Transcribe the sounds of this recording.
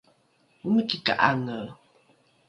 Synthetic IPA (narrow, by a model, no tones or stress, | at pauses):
umikika̰ʔa̰ŋə